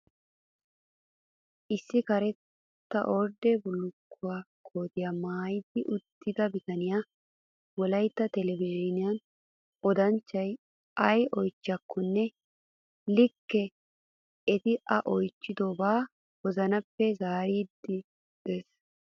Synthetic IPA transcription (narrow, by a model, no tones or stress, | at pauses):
ʔɪsːɪkɐɾɛ | t̪ːɐʔoɾd̪ɛbʊlːʊkːʊwaːkʰo̞ːt̪ɪjaːmaːjɪd̪ɪʔʊt̪ːɪd̪ɐbɪt̪ɐnɪja | wɔlɐjt̪ːɐt̪ɛlɛvɪʒɪnɪjɐn | ʔɔd̪ɐnt͡ʃːɐj | ʔɐjɔjt͡ʃːɪɐkʰːɔnːɛ | lɪkːɛ | ɛt̪ɪʔɐʔɔjt͡ʃːɪd̪oːbaː | wɔzɐnɐpːɛzaːɾiːd̪ːɪ | d̪̥eːs